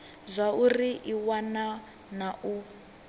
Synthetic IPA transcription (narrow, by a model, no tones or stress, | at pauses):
zʷauriʔiwana | nau